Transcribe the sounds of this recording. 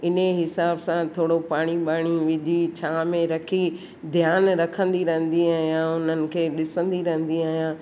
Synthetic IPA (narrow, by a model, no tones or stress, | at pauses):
ɪneɦɪsaːbsãt̪ʰoːɽopaːɽ̃iɓaːɽ̃iʋɪd͡ʑʱit͡ɕʰaːmẽɾɐkʰi | d̪ʱjaːnɾɐkʰə̃nd̪iɾɐɦə̃n̆d̪iaːɦijãʊn̤ənɪ̆kʰeːɗɪsə̃nd̪iɾɐɦə̃nd̪iaːɦijãː